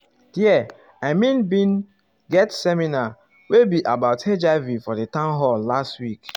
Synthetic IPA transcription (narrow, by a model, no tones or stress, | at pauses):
hiɛ | aɪmĩnbĩn | ɡɛtsɛmina | webiʔabaʊted͡ʒaɪvifɔdətãnɦɔllastwik